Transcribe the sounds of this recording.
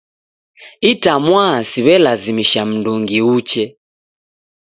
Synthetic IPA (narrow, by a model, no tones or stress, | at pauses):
itamwasiβɛlazimiʃam̩nduŋɡiut͡ʃɛ